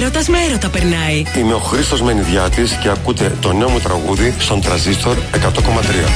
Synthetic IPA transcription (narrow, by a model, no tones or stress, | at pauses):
ɾot̪ɐzmeeɾot̪ɐpeɾnɐiime̞o̞xɾist̪o̞zme̞niðʝɐt̪isce̞ɐkut̪e̞t̪o̞neomut̪ɾɐɣuðist̪o̞nt̪ɾɐzist̪o̞ɾe̞kɐt̪o̞ko̞mɐt̪ɾiɐ̰